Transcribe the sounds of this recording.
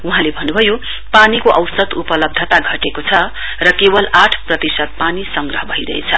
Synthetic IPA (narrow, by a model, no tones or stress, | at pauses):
uɦãlebʱʌnːubʱʌjo | panikoʔʌwsʌd̪upʌlʌb̚d̪ʱʌt̪aɡʱʌʈekot͡sʰʌ | rʌkebʌlaʈʰprʌt̪isʌd̪̚panisʌŋɡrʌɦʌbʱʌiɾʌ̰ɦḛt͡sʰʌ